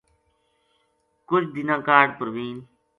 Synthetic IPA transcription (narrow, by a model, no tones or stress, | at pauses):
kʊt͡ʃd̪ɪnãːkaːɖ̚pəɾʋiːn